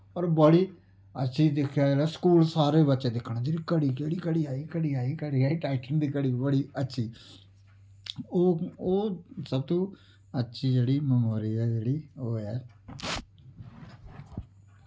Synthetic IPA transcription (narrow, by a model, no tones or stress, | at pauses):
ɔːɾbəɽiː | ə̰tːʃʰiːd̪ɪkʰjaːelɛːskuːlsaːɾeːbətːt͡ʃẽːd̪ɪkʰːɳaːd͡ʒeːɽiːkəɽiːkeːɽiːkəɽiːaːiːkəɽiːaːiːkəɽiːɛːʈaːɪʈənd̪iːkəɽiːbəɽiːətːʃʰiː | oːoːsəb̚t̪õː | ətːʃʰiːd͡ʒeːɽiːməmoːɾiːɛːd͡ʒeːɽiːoːɛː